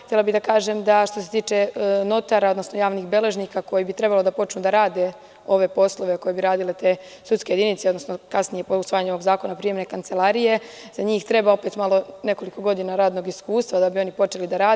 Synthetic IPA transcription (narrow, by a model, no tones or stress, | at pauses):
xt̪jelabid̪akaːʒemd̪aʃt̪ose̞̥t̪iːt͡ʃe̞no̞t̪aɾaod̪no̞snojaːʋniːxbe̞le̞ʒniːkako̞jibit̪ɾe̞balod̪apo̞t͡ʃnud̪aɾaːd̪e̞ | o̞ʋe̞po̞slˠo̞ʋe̞ko̞je̞biɾaːd̪ile̞t̪e̞ːsut̪skejed̪init̪seonosnokasnije̞pousʋaːjaɲeoʋo̞ɡzaːko̞napɾije̞mne̞kant̪se̞lˠaɾije̞ | zaɲiːxt̪ɾe̞bao̞pet̪malˠo̞ne̞ko̞liko̞ɡo̞d̪inaɾaːd̪no̞ɡiskuːst̪ʋad̪abio̞nipo̞t͡ʃe̞lid̪aɾaː